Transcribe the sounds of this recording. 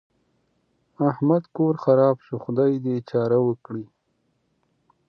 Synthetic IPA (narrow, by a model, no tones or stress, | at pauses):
ahmad̪koɾxaɾɑːbʃuxʊd̪ɑjd̪et͡ʃɑːɾawəkɽi